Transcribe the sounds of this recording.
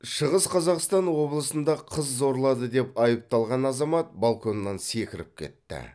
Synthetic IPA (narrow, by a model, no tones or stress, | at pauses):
ʃəʁəsqʰɑzɑqst̪ɑnwo̞blˠəsənd̪ɑqʰəzːo̞ɾlˠɑd̪əd̪e̞pɑjəp̚t̪ɑlˠʁɑnɑzɑmɑt̪̚balˠkʰo̞nːɑnse̞kʲɪɾɪp̚kʲʰe̞̰t̪ːɪ̰